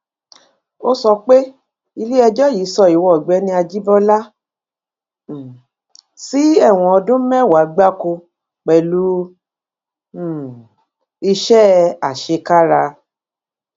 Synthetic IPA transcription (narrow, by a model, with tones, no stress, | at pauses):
o˦sɔ˧k͡pe˦ | i˧le˦ɛ˧d͡ʒɔ˦ji˨˦sɔ˧i˨wɔ˧ɔ˨ɡ͡bɛ˨˧˦nĩ˧a˧d͡ʒi˦bɔ˦la˦˨ | si˦ɛ˦˨w̃ɔ̃˧ɔ˧dũ˦m̩˦mɛ̃˦˨wa˨˦ɡ͡ba˦ko˧ | k͡pɛ˨lu˨˦˨ | i˧ʃɛ˦a˨ʃe˧ka˦ɾa˧